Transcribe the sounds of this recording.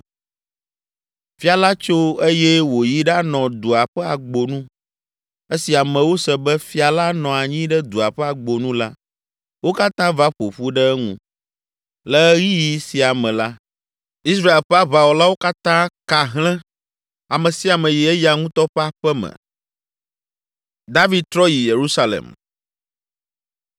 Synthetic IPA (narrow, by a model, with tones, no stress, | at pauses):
fi˦a˨la˦t͡ʃo˦e˦jɛ˦wo˨ji˦ɖa˦nɔ̃˨d̪u˨a˨ɸɛ˦a˨ɡ͡bo˨nũ˦ | e˦si˨a˨mɛ̃˨wo˦sɛ˨bɛ˦fi˦a˨la˦nɔ̃˨a˨ɲĩ˦ɖɛ˦d̪u˨a˨ɸɛ˦a˨ɡ͡bo˨nũ˦la˦ | wo˦ka˦t̪ã˦va˦ɸo˨ɸu˦ɖɛ˦ɛ˦ŋṵ̃˦ | lɛ˦ɣi˦ji˦si˨a˨mɛ̃˨la˦ | i˦s̬ɾa˦e˨lɸɛ˦a˦βa˦˨wɔ˨la˦wo˦ka˦t̪ã˦ka˨ɦlɛ̃˦ | a˨mɛ̃˨si˨˦a˨mɛ̃˨ji˨ɛ˦ja˨ŋũ˦t̪ɔ˦ɸɛ˦a˦ɸɛ˦mɛ̰̃˨ | d̪a˦vi˨d̪̚t̪ɾɔ˦ji˨je˨ɾu˦sa˦lḛ˨m